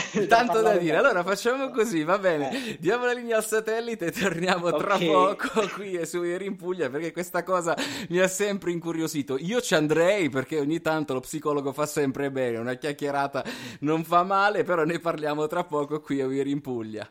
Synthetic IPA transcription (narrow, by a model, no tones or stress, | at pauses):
t̪ant̪od̪ad̪iːɾealːoːɾafat͡ʃːaːmokozivabɛːned̪jaːmolalinjaːlsat̪ɛlːit̪et̪ʰːornjaːmot̪ɾapːɔːkokwiesuveɾimpuʎːaperkekːwest̪akɔːzamiasːɛmpɾeiŋkuɾjoziːt̪oiːot͡ʃiand̪ɾɛjperkeoɲːit̪ːant̪olopsikɔːloɡofasːɛmpɾebɛɛːneunakjakjeɾaːt̪anoɱfamːaːlepeɾɔnːojparljaːmot̪ɾapːɔːkokwiaveɾimpuʎːa̰